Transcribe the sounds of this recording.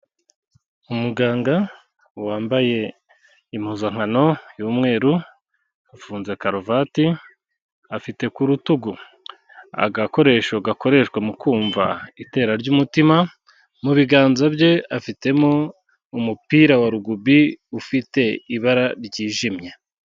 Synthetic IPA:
umuɡaːŋɡa | waːmbaje̞ | imuzaŋ̥hano̞juːmŋe̞ːɾu | afuːnze̞kaɾovati | afite̞kuɾutuɡu | a̰ɡako̞ɾe̞ʃoɡako̞ɾe̞ʃkwemukʰuːɱva̰ite̞ːɾaɾɟumutima | muβiɡaːnzabɟe̞afite̞mo̞ | umupiːɾawaɾuɡubiufite̞iβaɾaɾɟiːʒimɲe̞

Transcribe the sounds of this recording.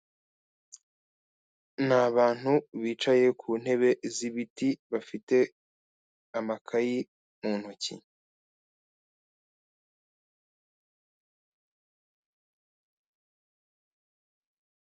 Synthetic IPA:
naβaːn̥huβiːt͡ʃaje̞kʰuːn̥he̞βe̞ziβitiβafite̞ | amakʰaji | muːn̥hucḭ

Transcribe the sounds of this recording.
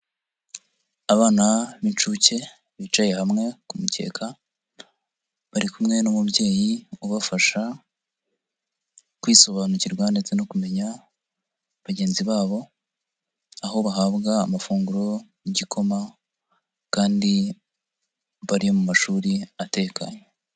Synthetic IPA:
aβaːnaβint͡ʃuce̞ | βit͡ʃaje̞hamŋe̞kumuce̞̰ːkʰa | βaɾikumŋe̞nomubɟe̞ːjiuβafaʃa | kwiːso̞βanuciɾɡwande̞t͡se̞no̞kume̞ɲa | βaɟe̞ːnziβaːβo̞ | aho̞βaɦaβɡaːmafuːŋɡuɾo̞jiɟikʰo̞ma | kaːndi | βaɾijo̞mumaʃuːɾiate̞ka̰ɲe

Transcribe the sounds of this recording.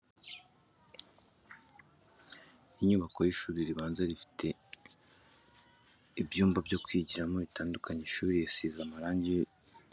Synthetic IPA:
iɲuβako̞jiʃuːɾiɾiβaːnzaɾifi̥tʰe̞ | ibjuːmbabɟo̞kwiɟiɾamo̞βitaːndukʰaɲeʃuːβiɾijesizamaɾaːɲɟe

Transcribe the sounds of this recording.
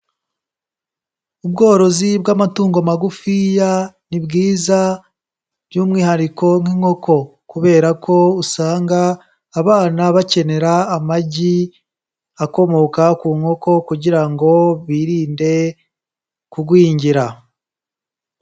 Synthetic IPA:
ubɡo̞ːɾo̞zibɡamatuːŋɡo̞maɡufijanibɡiːza | bjuːmŋiːhaɾiko̞ŋ̥iŋho̞kʰo̞kuβe̞ːɾakʰo̞usaːŋɡaː | βaːnaβace̞ne̞ɾaːmaɟi | ako̞mo̞kakuːŋho̞ko̞kuɟiɾaŋɡo̞βiɾiːnde̞ | kuɡwiːɲɟiɾa

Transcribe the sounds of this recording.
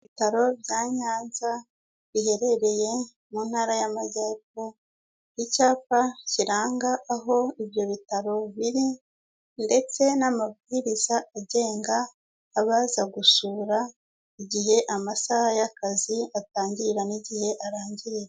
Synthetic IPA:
itaɾo̞bjaːɲaːnza | βihe̞ɾe̞ɾe̞je̞ | muːnhaːɾajamaɟeːpo | icaːpaciɾaːŋɡaʔːɦo̞ibjo̞βitaɾo̞βiɾi | nde̞t͡se̞namabɡiɾizaʔaɟe̞ːŋɡaː | βaːzaɡusuɾa | iɟihe̞ʔamasahajakaziataːɲɟiɾɾaniɟihe̞ʔaɾaːɲɟiɾiɾe

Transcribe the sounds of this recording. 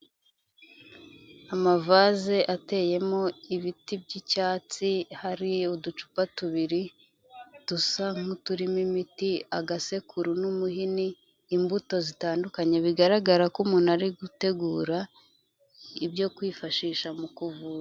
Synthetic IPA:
amavaːze̞ʔate̞ːje̞mo̞iβitib̚ɟicaːt͡sihaɾiudut͡ʃu̥patuβiɾi | d̥usaŋ̥hutuɾimimitiaɡase̞kʰuɾunumuhiniː | mbuto̞zitaːndukaɲe̞βiɡaɾaɡaɾakumuːnaɾiɡute̞ɡuːɾa | ibjo̞kwiːfaʃiːʃamukuvuːɾa

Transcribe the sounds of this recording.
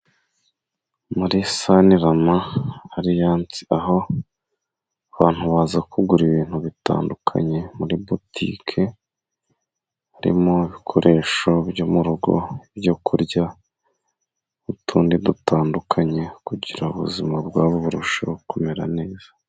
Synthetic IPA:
muɾisaniɾamaːɾijaːnt͡si̥aɦo̞ | aβaːn̥huβaːzakʰuɡuɾiβiːn̥huβita̰ːndukʰa̰ɲe̞muɾibutʰḭkʰe̞ | aɾḭmo̞iβikʰo̞ɾʔe̞ːʃo̞bɟomuɾuɡo̞̰ibjokʰuɾɟa | utʰuːndidutaːndukʰaɲe̞kuɟiɾauβuzimabɡwaːβuβuɾuʃaβuko̞me̞ɾa̰ne̞ːz̥ḁ

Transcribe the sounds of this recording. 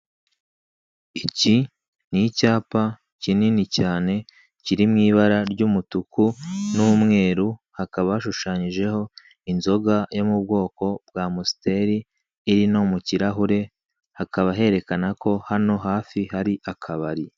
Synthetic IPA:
ici | nicaːpa | cininicaːne̞ | ciɾimŋiːβaɾaɾɟuːmutukunumŋe̞ːɾuhakaβaaʃuʃaːɲiʒe̞ho̞ | inzo̞ɡajomub̚ɡo̞ːko̞b̥ɡaːmusi̥te̞ɾiː | ɾino̞muciɾaɦuɾe̞ | hakaβaɦe̞ɾe̞kanako̞hano̞ɦaːfihaɾiʔakʰaβaɾi

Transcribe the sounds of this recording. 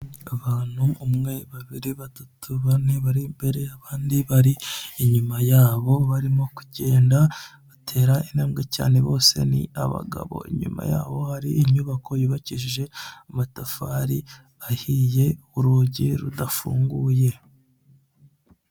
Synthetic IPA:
aβaːn̥huumŋe̞βaβiɾiβatutuβaniβaɾimbe̞ɾe̞aβaːndiβaɾiːɲumajaːβo̞βaɾimo̞ku̥ɟe̞ːndaβatʰe̞ːɾainaːmɡeca̰ːne̞βo̞̰ːse̞̰nḭaβa̰ɡa̰βo̞̰ḭɲṵma̰ja̰ːβo̞haɾiʔːɲuβakʰo̞juβaciʒiʒe̞umatafaɾi | ahije̞ | uɾuɟiɾudafṵːŋɡuje̞

